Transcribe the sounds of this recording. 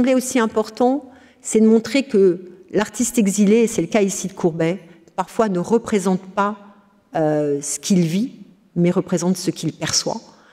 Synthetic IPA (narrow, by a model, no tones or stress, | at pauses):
ɑ̃bleosiɛ̃pɔʁt̪ɑ̃ | sɛd̪əmɔ̃t̪χekəlaʁt̪ist̪ɛɡzileːsɛləkaisid̪əkʰuʁbɛ | paʁfwanəʁəpχezɑ̃t̪pa | øsə̥kʲilvi | mɛʁəpχezɑ̃t̪səkʲilpɛʁswa̰